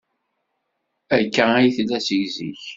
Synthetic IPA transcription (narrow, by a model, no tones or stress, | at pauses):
ækːææjθlːæsəʝzḭç